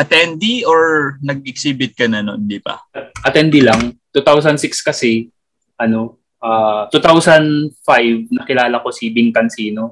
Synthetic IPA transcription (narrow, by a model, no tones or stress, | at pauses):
ʔɐt̪ɛnd̪ioɹnɐɡ̚ɪksiːbɪt̪̚kɐnɐno̰nd̪ipɐ̰ʔɐt̪ɛnd̪ɪlɐŋt̪ut̪aws̬ɐnsɪkskɐsɛ | ʔɐno̞ | ʔaːt̪ut̪awsɐnd̪fajvnɐkɪlaːlɐko̞sibɪŋkɐnsiːno̞